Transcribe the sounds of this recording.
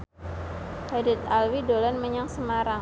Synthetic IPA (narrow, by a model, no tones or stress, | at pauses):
hadɪt̪̚alwidolanməɲaŋsəmaɾa